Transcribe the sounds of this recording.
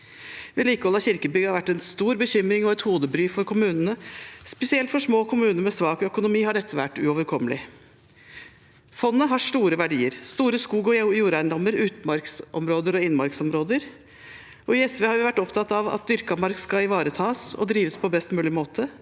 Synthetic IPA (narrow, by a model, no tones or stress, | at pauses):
ʋɛliːkəɔlːɑçɪɾkəbʏɡhɑɾʋæʈːɛnst̪uːɾbəçʏmɾɪŋɔɛt̪huːd̪əbɾyːfɔɾkʰʊmʉːnənəspɛsɪɛlt̪fɔʂmoːkʰʊmʉːnəɾmɛsʋɑːkœkʊnʊmiːhɑɖɛt̪ʰːəʋæʈːʉ̰oːʋəɾkʰɔməlɪ | fɔnːəɦɑʂʈuːɾəʋæɖiːəɾst̪uːɾəskuːɡɔjuːɾæɪnd̪ɔmːəɾʉːt̪mɑɾksʔɔmɾoːd̪əɾɔɪnːmɑɾksɔmɾoːd̪əɾ | ɔɪɛsʋeːhɑɾjʊʋæʈːɔpt̪ʰɑt̪ɑʋɑ̰t̪̚d̪ʏɾkɑmɑɾkskɑɪʋɑːɾət̪ʰɑːsɔ̰d̪ɾiːʋəspʰɔbɛst̪mʉːlɪmoːt̪ʰə